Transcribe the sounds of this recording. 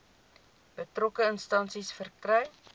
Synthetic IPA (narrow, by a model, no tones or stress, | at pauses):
b̥ətrokəənstɐnsisfərkrœɥ